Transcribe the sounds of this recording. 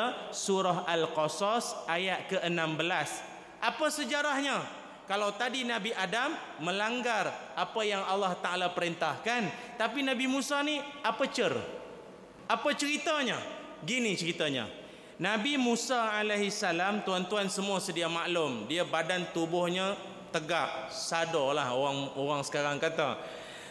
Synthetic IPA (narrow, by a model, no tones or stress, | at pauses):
suɾaɦalkosɔsʔajat̪̚kəʔənambəlas | ʔapasəd͡ʒaɾahɲa | kalawt̪adinãbiʔadamː | ə̃laŋɡarʔapajaŋalːaht̪aʔalapəɾint̪ahkant̪apinãbimũsaniapət͡ʃər | ʔapat͡ʃəɾit̪aɲa | ɡinit͡ʃəɾit̪aɲa̰ | nãbimusaalaɦisalamt̪uant̪uansəmuasədiamaʔlʊmdiabadant̪ubʊhɲa | t̪əɡaʔ̚sadɔlahoaŋoɣaŋsə̥kaɾaŋkat̪a̰